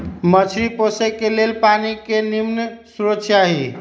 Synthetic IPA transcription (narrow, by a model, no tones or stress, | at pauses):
mət͡ʃʰɾiposekːelelpanikenimnsuɾəksʰjaɦi